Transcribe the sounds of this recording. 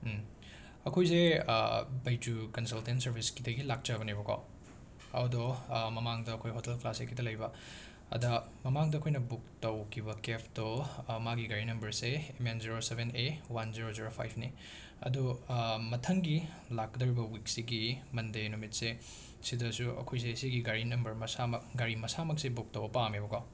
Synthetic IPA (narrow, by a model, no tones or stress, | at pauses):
ɐkʰojs̬e | bɐjd͡ʒukɐnsɐltentsɐɾbʱiskidɐɡilak̚t͡ʃaβɐnibɐkʰa̰w | ɐ̰wdɔmɐmaŋdɐːkʰojɦotelklasekʰidɐlɐjbɐ | ɐ̰dɐmɐmaŋdɐkʰojnɐbuk̚tɐwkʰibɐkepʰdomaɡiɡɐɾinɐmbɐɾseemenziɾosebʱenewanziɾoziɾopʰa̰jpʰni | ɐ̰dumɐtʰɐŋɡi | lak̚ːɐdoɾibɐwik̚siɡimɐndejnumit̚se | sidɐsuʔɐ̰kʰojs̬eisiɡiɡaɾinɐmbɐɾmɐsamɐkɡaɾimɐsamɐk̚sebuk̚tɐwbɐpamebɐkaw